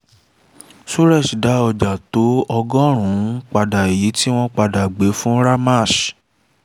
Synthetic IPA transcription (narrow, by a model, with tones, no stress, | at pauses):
su˦ɾɛ˦˨sda˨˦ɔ˧d͡ʒa˨to˨˦ɔ˧ɡɔ̃˦ɾ̃ũ˨˦k͡pa˧da˨e˨ji˨˦ti˦w̃ɔ̃˦k͡pa˧da˨ɡ͡be˨˦fũ˦ɾa˦ma˦˨ʃ